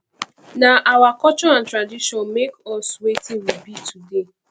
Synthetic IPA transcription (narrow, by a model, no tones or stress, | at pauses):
naʔawakɔt͡ʃɔãntɾadiʃɔnmekɔswetiwibitʰude